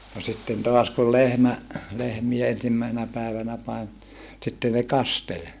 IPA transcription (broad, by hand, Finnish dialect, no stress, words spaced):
no sitːen toɑs kul lehmæ lehmie ensimːæˑi̯senæ pæˑeʋænæ pɑem sitːe ne kɑstel